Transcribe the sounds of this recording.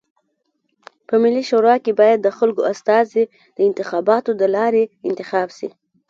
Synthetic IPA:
pəmɪliʃoɾɑkebɑjad̪ːəxalɡoast̪ɑzi | d̪̥əɪnt̪ɪxɑbɑt̪od̪əlɑɾeɪnt̪ɪxɑbʃḭ

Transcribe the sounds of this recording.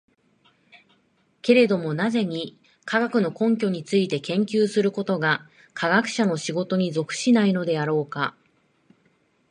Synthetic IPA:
ke̞ɾe̞d̪o̞mo̞naze̞ɲ̟i | kaɡakɯ̟no̞kõ̞ŋk̬ʲo̞ɲ̟it͡sɨit̪e̞kẽ̞ŋkʲɨːsɨɾɯ̟ko̞t̪o̞ɡa | kʰaɡakɯ̟̥ɕano̞ɕiɡo̞t̪o̞ɲ̟izo̞kɯ̟̥ɕinaino̞d̪e̞aɾo̞ːka̰

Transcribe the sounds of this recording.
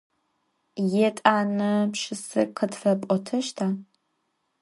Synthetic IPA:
jɛtʼaːnɨpʃɪsɨ̰qʰətfɐpʷʼɔtʰɨʃtʰaː

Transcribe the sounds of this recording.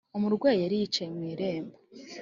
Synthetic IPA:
umuɾɡweːjaɾijit͡ʃajemwiːɾe̞ːmba

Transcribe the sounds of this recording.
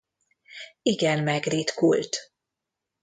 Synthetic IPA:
iɡɛnmɛɡriːt̪kṵlt̪

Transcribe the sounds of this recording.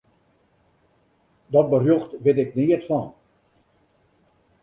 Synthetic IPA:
dɔt̚bərjoxtʋɪtɪk̚niətfɔn

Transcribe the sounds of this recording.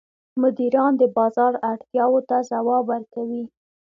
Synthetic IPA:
mʊd̪iɾɑnd̪əbɑzɑɾaʈt̪jɑwot̪azawɑbaɾkawi

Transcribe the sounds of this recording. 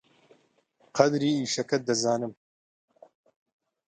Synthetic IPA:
qɐd̪ɾiːiːʃɐkɐt̪̚d̪ɐzaːnɨm

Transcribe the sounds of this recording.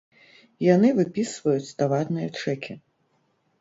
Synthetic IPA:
janɨvɨpʲisvɐjut͡sʲt̪avad̪nɨjɐt͡ʂɛkʲi

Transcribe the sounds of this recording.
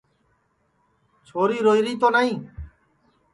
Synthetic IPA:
t͡ʃʰoɾiɾojɾit̪onaj̃

